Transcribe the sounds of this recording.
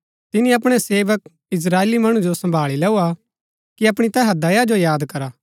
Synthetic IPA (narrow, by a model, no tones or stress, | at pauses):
t̪ɪnĩɐp̬ɽ̃eseːʋək̚ | ɪs̬ɾaːeːlimɐɽ̃ũd͡ʒosɐ̃mbʱaːɭilɛːua | kiɐpɽ̃it̪ɛɦad̪ɐjad͡ʒojaːd̪kɐɾaː